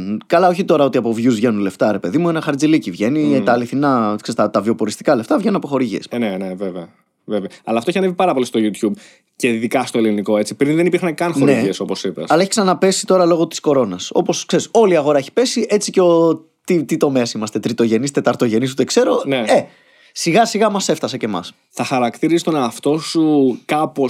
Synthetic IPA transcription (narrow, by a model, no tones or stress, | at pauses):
kɐlɐoçit̪o̞ɾɐo̞t̪iɐpo̞vʝuzvʝe̞nunle̞ft̪ɐɾe̞pe̞ðimuenɐxɐɾd͡zilicivʝe̞nit̪ɐːliθinɐksist̪ɐt̪ɐvio̞po̞ɾist̪i̥kɐle̞ft̪ɐvʝe̞nunɐpo̞xo̞ɾiʝiesneneveveɐ | veveɐɐlɐft̪oeçiɐnevipɐɾɐpo̞list̪o̞ʝut̪çub | ce̞ðikɐst̪oeliniko̞e̞t͡sipɾinðenipiɾxɐnkɐnxoneiʝieso̞po̞sipesɐlɐeçiksɐnɐpe̞si̥t̪o̞ɾɐlo̞ɣo̞t̪i̥sko̞ɾo̞nɐso̞̰po̞skse̞ɾiso̞liɐɣoɾɐe̞çi̥pe̞sie̞t͡siceo | t̪it̪it̪o̞me̞ɐsimɐst̪e̞t̪ɾit̪o̞ʝe̞nist̪e̞t̪ɐɾt̪o̞ʝe̞nis̬ut̪e̞kse̞ɾo̞nee̞ | siɣɐsiɣɐmɐse̞ft̪ɐsɐce̞mɐ̰s | θɐxɐɾɐkt̪iɾisst̪oneɐft̪o̞sukɐpo̞